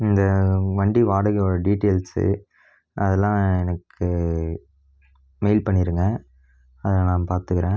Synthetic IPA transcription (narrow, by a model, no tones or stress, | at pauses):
ɪnd̪ɐʋɐɳɖiʋaːɽɐɣɯɔɾɐɖiːʈːeːlsɯ̰ | ɐðɛlːãːɛnɐkʰːɯ | mɛɪlpɐɳːɪɾɯŋɡɐ̃ | ɐðɐnãːpaːɾt̪ɯkɪɾẽː